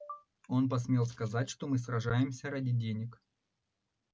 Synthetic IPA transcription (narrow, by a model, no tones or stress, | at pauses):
o̞np̬ɐs̬mʲe̞lˠskɐzatʲʂt̪o̞mɨsrɐʐajɪmsʲəɾadʲɪdʲenʲɪk